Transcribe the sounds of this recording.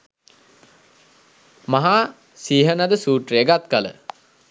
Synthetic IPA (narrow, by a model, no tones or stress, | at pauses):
maɦa | siːɦənad̪əsuːʈreɡat̪kalə̰